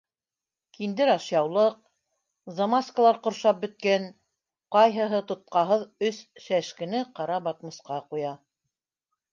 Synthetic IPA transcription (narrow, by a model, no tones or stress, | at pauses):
kind̪ɘɾɑʃjɑwlˠɤq̚ | zɐmaskəlˠɑɾqŏɾʃɑp̚bɵ̆t̪̚kæn | qɑjɦɤ̆ɦɤt̪ŏt̪̚qɑɦɤðɵsʃæʃkɘ̆nɘqɑɾɑbɑt̪mɤ̆sqɑqujɑ